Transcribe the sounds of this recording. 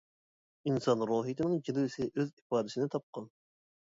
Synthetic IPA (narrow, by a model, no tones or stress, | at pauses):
insɑnɾoːɦit̪ʰɪnɪŋɡʲilwsɪʔøzipɑːd̪ɪsɪnɪt̪ʰɑp̚qʰɑn